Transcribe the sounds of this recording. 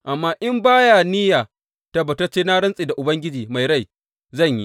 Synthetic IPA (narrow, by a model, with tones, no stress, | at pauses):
ʔa˨mːaː˦ʔɪ˦mbaː˦jaː˨nɪ˦jaː˨ | ta˦bɐ˨tɐ˦t͡ʃeː˦naː˦ɽɐ˦nsʼeː˨da˨ʔʊ˨bɐ˦ŋɡʲɪ˦d͡ʒiː˨ma˨jɽa˦˨j | zɐ˦˨ɲjḭ˦